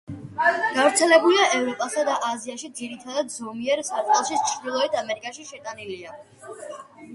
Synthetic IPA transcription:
ɡ̥avɾt̪sʰɛlɛbuliaʔɛvɾɔpʼasad̪aʔaziaʃid̪ziɾit̪ʰad̪ad̪zɔmiɛɾsat̪ʼɛlˠʃit͡ʃʰɾd̪ilˠɔit̪ʰamɛɾikʼaʃiʃɛt̪ʼanilia

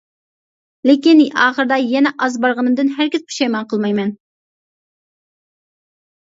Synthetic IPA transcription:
lɪkʲinʔɑːχəɾd̪ɑjɛnɛʔɑzbɑɾʁənɨmd̪ɨnɦæɾkʲizqʰu̥ʃɑjmɑnqʰəlˠmɑjmɛn

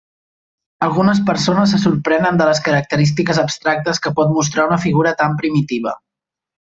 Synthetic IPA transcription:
əlˠɣunəspəɾsonəsːəsuɾpɾɛnənd̪ələskəɾək̚t̪əɾis̬t̪ikəzəpst̪ɾak̚t̪əskəpɔt̪mus̬t̪ɾaunəfiɣ̞uɾət̪ampɾimit̪iβ̞ə̰

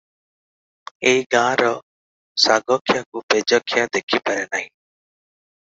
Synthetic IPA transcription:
eːiɡãːɾɔː | saːɡɔːkʰjãːkuːpeːd͡ʒɔːkʰɪjaːd̪eːkʰiːpəɾɛːnaːĩː

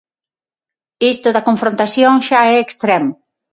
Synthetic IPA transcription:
ist̪ʊðɐkoɱfɾõnt̪asjoŋʃaɛekst̪ɾɛmo

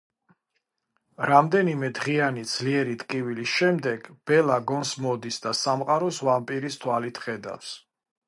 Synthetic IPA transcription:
ɾamd̪ɛnimɛd̪ʁianid̪z̥liɛɾit̪ʼkʼivilisʃɛmd̪ɛɡ̥b̥ɛlaɡɔnsmɔd̪isd̪asamqʼaɾɔsvampʼiɾist̪ʰwalit̪ʰχɛd̪a̰fs

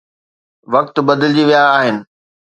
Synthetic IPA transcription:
ʋɐk̚t̪bɐd̪ɪld͡ʑiʋijaːɦɪnɪ̆

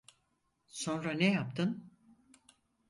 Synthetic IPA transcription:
so̞nɾanejap̚t̪ʰɯn

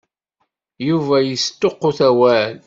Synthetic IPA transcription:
juvæjəst̪ːoqːoθæwæl

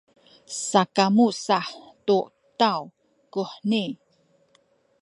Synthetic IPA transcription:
sakamusaħtuʔ | taw | kuħni

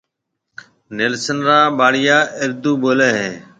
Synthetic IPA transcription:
neːlsənɾaːbaːɽɪjaːʔɪɾd̪uːboːleːɦẽː

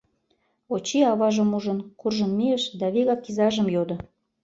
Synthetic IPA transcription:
ot͡ɕiɑβɑʒə̆muʒə̆nkurʒə̆nmeəʃd̪ɑβeɣɑkːizɑʒə̆mjod̪ɤ̆

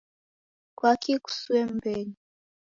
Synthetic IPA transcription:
kwakiku̥suwɛm̩bɛli

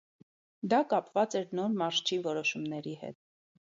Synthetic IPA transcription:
d̪ɑkɑpvɑt͡sɛɾnɔɾmɑɾʃt͡ʃʰivɔɾɔʃumnɛɾihɛ̰t̪̚

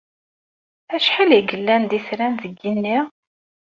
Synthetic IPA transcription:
æʃħaliɡəlːænd̪iθɾænðəɡːinːiʁ

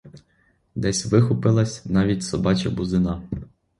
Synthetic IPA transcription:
d̪ɛsʲʋɪxʊpɪlˠɐsʲnɑʋʲitʲsɔbɑt͡ʃɐbuzɪnɑ

